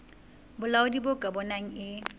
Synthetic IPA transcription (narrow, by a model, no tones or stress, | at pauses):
bʊlaʊdibʊkʼabɔnaŋ̩ɪ